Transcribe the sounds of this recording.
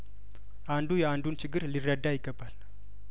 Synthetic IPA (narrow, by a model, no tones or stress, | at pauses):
ʔand̪ujɛand̪unt͡ʃɨɡːɨɾlirːəd̪ajɪɡːəbal